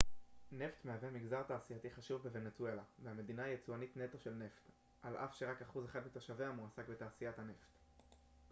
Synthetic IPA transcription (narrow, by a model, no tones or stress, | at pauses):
ne̞ft̪meavemiɡzaʁt̪aːsijat̪iχaʃuvbeve̞net͡sue̞lavehame̞d̪inaijet͡suanitne̞t̪oʃe̞lne̞ft̪ | ʔalʔa̰fʃe̞ʁakaχuzeχad̪mit̪oʃaveamuasakbet̪aːsijat̪hane̞ft̪